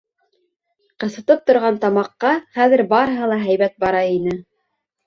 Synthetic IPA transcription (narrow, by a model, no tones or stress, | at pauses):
qɤ̆sɤ̆t̪ɤp̚t̪ŏɾʁɑnt̪ɑmɑqːɑχæðɘ̆ɾbɑɾɤ̆ɦɤ̆lˠɑɦæjβæt̪̚bɑɾɑinɘ